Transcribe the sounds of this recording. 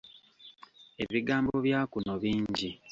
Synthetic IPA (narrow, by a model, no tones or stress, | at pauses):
e̞βiɡaːmbo̞βjaːkunoβiːɲɟi